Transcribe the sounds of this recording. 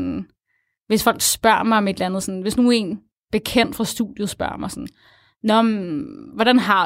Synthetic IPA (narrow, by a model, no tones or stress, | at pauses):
n | ʋe̝sfɒ̽l̰ɡ̥sb̥ɶɐ̰mɑ̈ɪɒ̽me̝d̥lænð̞̩ˠsɒ̽n̩ʋe̝snue̝n | b̥e̝kʰen̰d̥fʁɑ̈sd̥uðˠjosb̥ɶɐ̰mɑ̈ɪsɔn | nɒmʋɒɾ̥ænɦɑ̈